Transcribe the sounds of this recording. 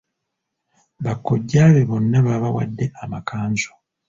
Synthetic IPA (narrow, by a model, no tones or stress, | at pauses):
βakːoɟːaːβeβonːaβaβawa̰dːe̞amakʰaːɲzo̥